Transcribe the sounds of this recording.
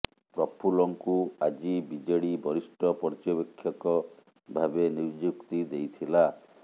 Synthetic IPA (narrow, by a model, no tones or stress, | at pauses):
pɾɔpʰulɔŋkuad͡ʒibid͡ʒeɽibɔɾisʈɔpɔɾd͡ʒɔbekʰːjɔkɔ | bʱabenid͡ʒukt̪id̪ejt̪ʰila